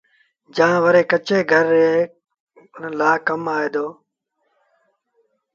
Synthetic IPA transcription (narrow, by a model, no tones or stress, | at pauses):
d͡ʒãːʋəɾeːkət͡ʃeːɡʱəɾeː | laːkəmaːeːd̪oː